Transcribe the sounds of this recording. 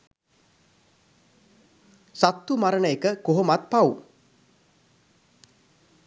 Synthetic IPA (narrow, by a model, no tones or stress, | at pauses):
sat̪ːumaɾənəekəkoɦomat̪̚pawu